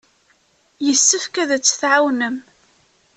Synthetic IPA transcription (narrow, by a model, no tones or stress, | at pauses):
jəsːəfkæðæt͡sːθʕawnəm